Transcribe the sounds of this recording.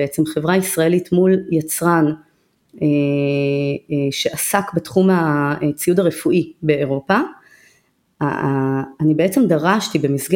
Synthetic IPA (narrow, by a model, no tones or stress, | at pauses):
eet͡semχe̞vʁaisʁae̞litmuljat͡sʁan | e | ʃe̞ʔasakbetχumat͡sijudaʁefuʔibe̞ːʁo̞pa | nibeet͡se̞mdaʁaʃtibe̞misɡ